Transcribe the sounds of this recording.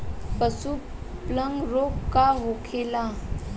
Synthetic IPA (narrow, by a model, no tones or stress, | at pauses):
pəsupləŋɡɾoːkkaɦokʰeːla